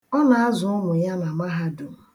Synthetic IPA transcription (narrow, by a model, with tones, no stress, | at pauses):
ɔ˦na˨a˦zʊ˨ʊ˦mʊ˨ja˦na˨ma˦ɦa˦dʊ˨